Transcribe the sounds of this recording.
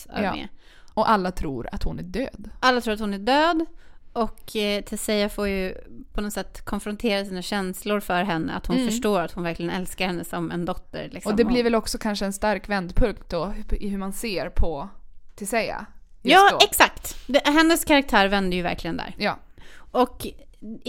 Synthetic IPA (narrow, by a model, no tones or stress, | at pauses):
a̰mḛː | ɔʔalːat̪ʰɾṵːɾa̰t̪hʊnæɖøːd̪ʔalːat̪ɾuːɾat̪hʊnæɖøːd̪ɔkt̪ʰɪlsɛafoːɾjɵpʰɔnɔsɛt̪ːkʰɔnfɾɔnt̪ʰeːɾasiːnaɕɛnslʊɾfœɾɦɛnːə̰a̰t̪hʊnfœʂʈoːɾat̪hʊnvæɾklɪɡənɛlskaɾhɛnːəsɔmɛ̰nd̪ɔt̪ːə̰ɾlɪ̰ksɔɔd̪ɛmbliːɾvɛlɔksɔkʰanʂəɛnst̪aɾkvɛnd̪pʰɵŋt̪̚d̪ɔɪɦʉ̟manseːɾpʰɔt̪ʰɪsɛja̰jɑːɛksakt̪d̪ɛɦɛnːəskʰaɾak̚t̪ʰæːɾvɛnd̪əjɵvæ̰ɾklɪɡənd̪æ̰ːɾjɑ̰ːɔk